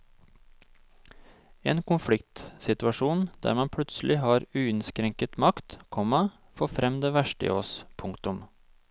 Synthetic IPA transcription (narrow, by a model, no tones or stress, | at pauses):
ḛːnkʰʊnflɪkt̪sɪt̪ʉɑʂuːnd̪̥æ̰ːɾmɑnpʰlʉt̪slʔɪɦɑːɾʉːɪnskɾɛŋkət̪mɑkt̪kʰɔmɑ | fɔfɾɛmd̪eːʋæʃʈəɪ̰ːoːspʰʊŋkt̪ʊm